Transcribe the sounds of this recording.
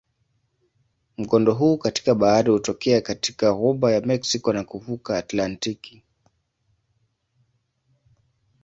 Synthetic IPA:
m̩ɡɔndɔɦuːkati̥kaɓaaɾihutɔkɛakati̥kaɣɔɓajamɛksikɔnakuvukaːtlantiki̥

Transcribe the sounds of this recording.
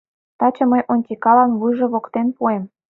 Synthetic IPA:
t̪ɑt͡ɕɤ̆məjʔonʲkʲekɑlɑnβujʒĕβokt̪enpuem

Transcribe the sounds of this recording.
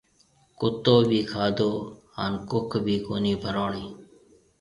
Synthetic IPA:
kʊt̪ːoːbʱiːkʰaːd̪oː | a̰nkʊkʰbʱiːkoːniːbʱəɾoːɳiː

